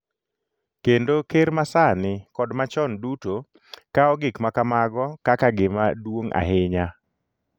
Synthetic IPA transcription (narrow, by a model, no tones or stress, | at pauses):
kendokeɾmasanɪkɔdmat͡ʃɔnduto | kaɔɡɪkmakamaɡɔkakaɡɪmadwoŋa̰ɦɪɲa